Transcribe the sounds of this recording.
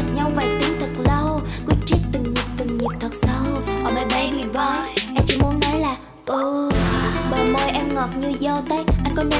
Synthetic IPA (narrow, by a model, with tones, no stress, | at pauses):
t̚ɲa˧wvaː˨˩jt̪i˨˦nt̪ʰɨ˨˩k̚lə˧wkɨ˨˦t͡ɕi˦˥t̚t̪ɨ˨˩ŋɲi˨˩p̚t̪ɨ˨˩ŋɲi˨˩p̚t̪ʰə˨˩t̚sə˧˦whɔ˨˩ma˨˩ɓa˧˦vi˨˩vɔ˨˦ʔɛ˧mt͡ɕḭ˧˥mu˨˦ənːɔ˨˦jlaː˨˩ | ʔɨ˧˩ | ɓəː˨˩mo˧˩jʔɛ˧mŋɔ˨˩t̚ɲɨ˧zɔ˧t̪ə˨˦j̚ʔa˧jŋ̟kɔ˨˦nə˧˩